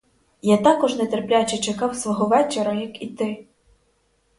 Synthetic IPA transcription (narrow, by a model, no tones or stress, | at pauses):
jat̪akɔʐnɛt̪ɛrplʲat͡ʃɛt͡ʃɐkɑwsʋɔɦɔʋɛt͡ʃɛɾɐjɐkit̪ɪ